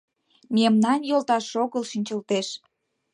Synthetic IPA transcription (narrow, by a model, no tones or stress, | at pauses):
memnɑnjolt̪ɑʃoɣəlʃinʲt͡ɕəlt̪eʃ